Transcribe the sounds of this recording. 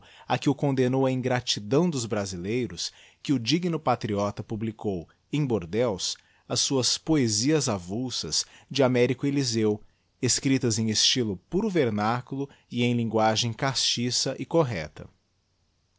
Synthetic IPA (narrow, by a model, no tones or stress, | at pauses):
ɐkɪʊkõnd̪enowɐĩŋɡɾat͡ʃid̪ɐ̃w̃d̪ʊzbɾazilejɾʊs | kɪʊd͡ʒiɡnʊpat̪ɾiɔt̪ɐpublikow | ẽj̃boɾd̪ɛws | ɐsːuɐspoeziɐzavusɐ̰sd͡ʒɪamɛɾikʊelizew | eskɾit̪ɐzẽj̃est͡ʃilʊpuɾʊveɾnakulʊ | ɪẽj̃lĩŋɡwaʒẽj̃kast͡ʃisɐʔɪkoɦɛt̪ɐ̰